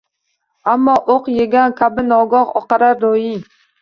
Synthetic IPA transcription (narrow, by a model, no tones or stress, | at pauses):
amːɒʔoqjeɡʲankʲʰabɪnɒɡɒqɒ̰qɑɾaɾd̪ojɪŋ